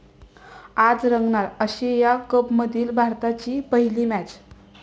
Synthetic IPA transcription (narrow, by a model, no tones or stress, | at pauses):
ad͡zɾəŋɡɳaɾəɕejakəpməd̪ʱiːlbʱaɾt̪at͡ɕiːpəɦiliːmæt͡ɕ